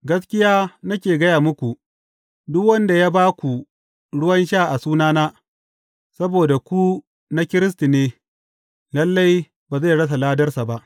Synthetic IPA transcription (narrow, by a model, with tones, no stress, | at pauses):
ɡɐ˦skʲɪ˦jaː˦na˦kʲeː˨ɡɐ˦jaː˨mʊ˦kʷu˨ʔ | dʊ˦kwɐ˦nda˨jaː˦baː˦kʷu˨ | ɽʊ˦wɐ˦nʃaː˦˨ʔa˨suː˦naː˦naː˦ | sɐ˦boː˨da˨kʷu˦ | na˦kʲɪ˦ɾɪ˦s̬ti˨neː˦ | lɐ˦lːa˦j | baː˨za˦˨ɽɐ˦s̬a˨laː˦dɐ˦rsa˨ba˦ʔ